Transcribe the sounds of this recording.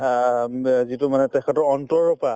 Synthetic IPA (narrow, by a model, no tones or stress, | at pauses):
zitʊmanɛtɛkʰɛtɔɹɔntɔɹɔpa